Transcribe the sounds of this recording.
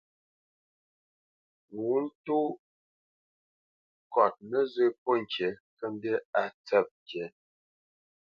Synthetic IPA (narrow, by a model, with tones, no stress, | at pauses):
ŋu˨˦n̩˦tu˦ | kɔ˨t̚nə˦zə˦po˦˨ŋ̩˨t͡ʃe˨˦kə˦m˦be˦a˨t͡sə˦˨p̚t͡ʃe˨˦